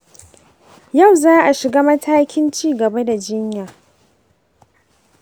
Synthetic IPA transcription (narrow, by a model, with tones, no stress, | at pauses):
ja˦˨wzaː˦ʔa˨ʃɪ˨ɡaː˦mɐ˦tʰaː˦kʲʰɪ˦nt͡ʃiː˦ɡɐ˨ba˦da˨d͡ʒɪ˦ɲjaː˨